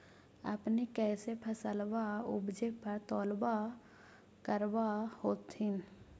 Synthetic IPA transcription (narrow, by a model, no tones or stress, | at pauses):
ə̰pnekɛːsepʰəsəlbaʊbd͡ʒepəɾt̪ɔːlba | kəɾbahoːt̪ɦɪn